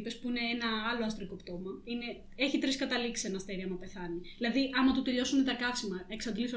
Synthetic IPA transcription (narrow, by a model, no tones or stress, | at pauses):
pe̞spuine̞enɐɐlo̞ɐst̪ɾiko̞pt̪o̞mɐine̞ | e̞çit̪ɾiskɐt̪ɐliksi̥senɐst̪eɾiɐmɐpe̞θɐniilɐðiʔɐmɐt̪ut̪eʎo̞sunet̪ɐkɐfsimɐeksɐd̪liso